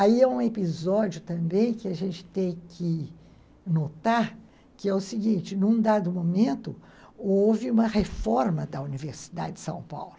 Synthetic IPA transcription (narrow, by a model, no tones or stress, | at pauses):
aiɛũepizɔd͡ʒʊt̪ɐ̃mbẽj̃kɪaʒẽnt͡ʃɪ̥t̪ẽj̃kʰɪ | not̪aɾ | kɪɛʊsiɡĩnt͡ʃɪnũd̪ad̪ʊmomẽnt̪ʊowvɪũmɐhefɔɾmɐd̪ɐuniveɾsi̥d̪a̰d͡ʒɪd͡ʒɪ̥sɐ̰̃w̃pa̰wlʊ